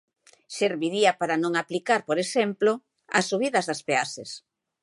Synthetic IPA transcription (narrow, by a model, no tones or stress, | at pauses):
seɾβiɾiapaɾanõŋaplikaɾpoɾesɛmplo | a̰sːuβiðɐzðaspeases